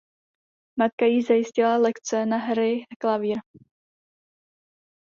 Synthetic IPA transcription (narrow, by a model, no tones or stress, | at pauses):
mat̪̚kajizajɪscɪlalɛkt͡sɛnaɦɾɪklaviːɾ